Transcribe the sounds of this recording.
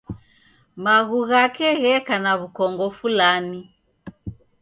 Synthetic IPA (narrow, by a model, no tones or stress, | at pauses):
maɣuɣakɛɣɛkanaβukɔŋɡɔfulani